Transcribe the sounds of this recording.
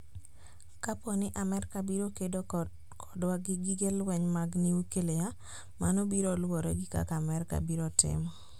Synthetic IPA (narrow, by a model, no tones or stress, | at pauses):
kaponɪʔamɛrkabiɾokedo | kʰɔ̥dwaɡɪɡɪɡelwɛɲmaɡniukeleja | manobiɾolwoɾeɡɪka̰kamɛrka̰biɾotɪ̰mɔ